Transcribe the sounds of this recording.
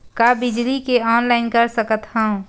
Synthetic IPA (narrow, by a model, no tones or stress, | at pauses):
kabɪd͡ʒlikeɔːnlaɪnkəɾsəkət̪hə̃ũ